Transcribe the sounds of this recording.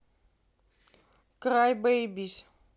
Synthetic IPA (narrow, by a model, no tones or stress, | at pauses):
kɾajbejbis